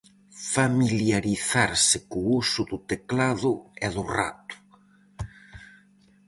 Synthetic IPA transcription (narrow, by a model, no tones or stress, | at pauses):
familjaɾiθaɾsɪkʊusʊðʊt̪eklaðʊɛðʊra̰t̪ʊ̥